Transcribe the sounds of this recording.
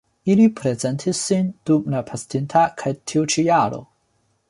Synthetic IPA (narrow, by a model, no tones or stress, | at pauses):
ilipʰɾezentʰisːind̥umnapʰastʰintʰakʰajtʰiut͡ʃijaɾo̰